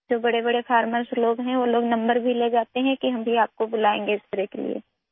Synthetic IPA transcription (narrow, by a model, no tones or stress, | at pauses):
d͡ʒoːbɐɽebɐɽefʰaːɾməɾsloːɡɦɛ̃ʋoloːɡnɐ̃mbəɾbʱileːd͡ʒaːt̪eɦɛ̃kiɦɐmbʱiaːp̚kobʊlaːẽːŋɡeɪst̪ɐɾekelḭḛː